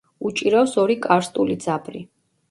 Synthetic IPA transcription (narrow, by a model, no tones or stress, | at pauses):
ut͡ʃʼiɾawsɔɾikʼaɾst̪ʼulid̪zapʰɾi